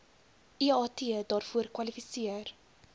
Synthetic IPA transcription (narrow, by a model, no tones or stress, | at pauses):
iɑːtidɑːrfuərkwɐlifisiər